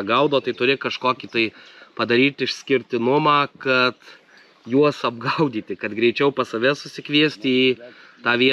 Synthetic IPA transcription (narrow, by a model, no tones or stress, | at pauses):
ɡɐʊd̪oːt̪ɐɪt̪ʊɾʲɪkɐʃkoːkʲiːt̪ɐɪpɐd̪ɐɾʲiːt̪ʲɪʃʲsʲkʲɪɾʲt̪ʲɪnʊmɑːkɐt̪ | juɔsɐbɡɐʊd̪ʲiːt̪ʲɪkɐt̪ɡɾʲɛɪt͡ʃʲɛʊpɐsɐʋʲɛsʊsʲɪkʋʲiɛsʲt̪ʲɪiːt̪ɑːʋʲiɛ